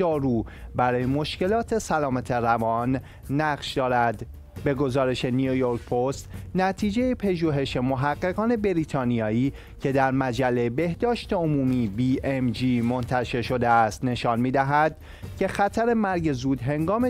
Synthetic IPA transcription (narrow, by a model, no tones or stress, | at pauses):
ɒːɾuːbæɾɒːjemo̞ʃce̞lɒːt̪ʰe̞sælɒːmæt̪ʰe̞ɾævɒnː | æɢʃd̪ɒːɾæd̪ | be̞ɡo̞zɒːɾe̞ʃe̞niojoɾkpʰost̪næt̪ʰiːd͡ʒe̞jepʰeʒuːɦe̞ʃemo̞ɦæɢːe̞ɣɒːne̞be̞ɾiːt̪ʰɒːnijɒːiː | cʰe̞d̪æɾmæd͡ʒælːebe̞hd̪̥ɒːʃt̪eomuːmiːbiːʔemd͡ʒiːmo̞nt̪ʰæʃe̞ɾʃo̞d̪e̞æst̪ne̞ʃɒːnmiːd̪æɦæd̪̥ | cʰe̞xæt̪ʰæɾe̞mæɾɟe̞zuːd̪ɦe̞ŋɡɒːme